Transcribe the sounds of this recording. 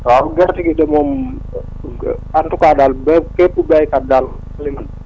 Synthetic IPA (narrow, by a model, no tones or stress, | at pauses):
tɔamɡɛrtiɡidɛmɔm | antukadalbɛkɛpːubɛjkadal | liman